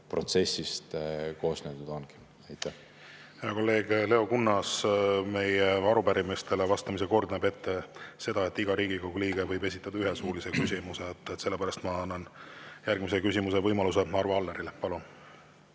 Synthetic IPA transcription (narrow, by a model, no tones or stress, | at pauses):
pro̞t̪se̞sʲist̪ko̞ːsnet̪ud̪onɡem | ɑjt̪ːæh | heɑko̞lːe̞ːɡ̥le̞o̞kunːɑsme̞jeɑɾupæɾimist̪e̞levɑst̪ɑmis̬e̞ko̞rd̪ɑnebe̞t̪ːe̞se̞d̪̥ɑe̞t̪ˑːiɡ̥ɑɾiːɡikoɡuliːɡ̥evɤjbe̞s̬ʲit̪ːˑɑd̪̥ɑyɦesuːlise̞kysʲimuset̪ːˑet̪se̞lːe̞pæɾɑst̪mɑɑnːɑnjærɡ̥misekysʲimuse̞vɤjmɑlus̬e̞ɑrvɑɑlːeɾilepɑlun